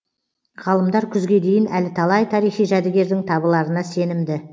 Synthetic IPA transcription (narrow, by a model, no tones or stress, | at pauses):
ʁɑlˠəmd̪ɑɾkʲʰʏzɡʲe̞d̪e̞jɪnælɪt̪ʰɑlˠɑjt̪ʰɑɾijχijʒæd̪ɪɡʲe̞ɾd̪ɪŋt̪ʰɑbəlˠɑɾənɑse̞nɪmd̪ɪ